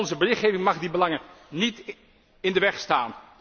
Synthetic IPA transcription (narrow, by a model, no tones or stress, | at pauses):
nzəbərɪχeːvɪŋmɑχdibəlɑŋənit | ɪndəʋɛχstaːn